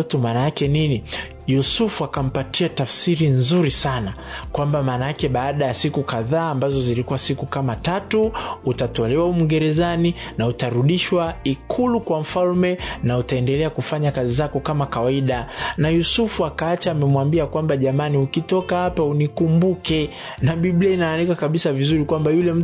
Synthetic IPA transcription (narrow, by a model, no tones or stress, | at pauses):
tumaːnajakɛnini | jusufuakam̩patiatafsiɾinzuɾisana | kwambamaːnajakɛɓaːɗajasikukaðaːmbazɔzilikuwasikukamatatuːtatɔlɛwaum̩ɡɛɾɛzani | nautaɾuɗiʃwaikʰulukwam̩falmɛnautaɛndɛlɛakufaɲakazizakɔkamakawaiɗanajusufuakaat͡ʃaːmɛmwambiakwambaʄamaniukitɔkahapaunikumbukɛ | naɓiɓliainaːnikakaɓisavizuɾikwambajulɛm̩